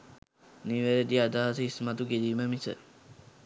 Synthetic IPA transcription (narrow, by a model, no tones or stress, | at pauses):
niʋeɾəd̪iad̪aːsəismat̪uɡediːməmisə̰